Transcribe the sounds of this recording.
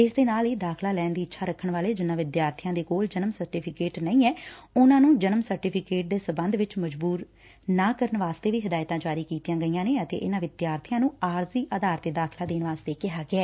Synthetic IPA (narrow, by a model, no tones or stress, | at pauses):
ɪsd̪eːnaːliːd̪aːkʰlaːlɛːnd̪iːɪtːʃʰaːɾəkʰːəɳʋaːleːd͡ʒɪnːãːʋɪd̪jaːɾt̪ʰijãːd̪eːkoːld͡ʒənəmsəɾʈiːpʰɪkeːʈnəĩːɛːʊnãːnũːd͡ʒənəmsəɾʈipʰɪkeːʈ̚d̪eːsəbənd̪ʋɪt͡ʃməd͡ʒbuːɾ | naːkəɾənʋaːst̪eːʋiːɦɪd̪aːjt̪ãːd͡ʒaːɾiːkiːt̪ijãːɡəiːãːneːət̪ḛːʔɪnãːʋɪd̪jaːɾt̪ʰijãːnũːaːɾziːʔaːd̪aːɾt̪eːd̪aːkʰlaːd̪eːnʋaːst̪eːkɪɦaːɡɪɛː